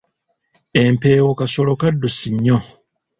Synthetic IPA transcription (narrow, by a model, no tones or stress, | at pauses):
empeːwokaso̞lo̞kadːusiɲːo